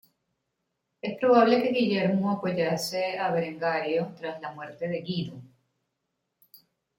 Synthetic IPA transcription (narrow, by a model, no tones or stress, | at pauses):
e̞spɾo̞βaβle̞ke̞ɣiʝeɾmoapoʝaseaβeɾeŋɡaɾjot̪ɾaslamwe̞ɾt̪e̞ðeɣiðo